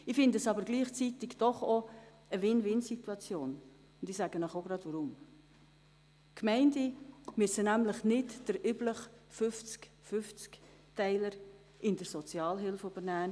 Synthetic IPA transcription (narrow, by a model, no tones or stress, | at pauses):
ifɪndəəsɑbəɾɡliːχt͡sit̪ɪɡd̥ɔχo | əʋɪnʋɪnsituɑt͡sjoːn | ʊnd̥ɪsæɡ̥ənɔχoɡɾɑd̥ʋɔɾʊm | kʰmɛɪndimysənæmləχnɪtd̥əɾʔybləχfʏft͡sk | fʏft͡sk | tɛɪləɾ | ʔɪnd̥əɾsɔt͡sjɑːlɦɪlfobənæːn